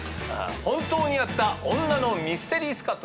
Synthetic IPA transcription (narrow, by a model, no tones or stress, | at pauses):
a̰hõ̞nt̪o̞ːɲ̟ijat̪ːaõ̞nːano̞mʲisɨ̥t̪e̞ɾʲiːsɨ̥kat̪ːo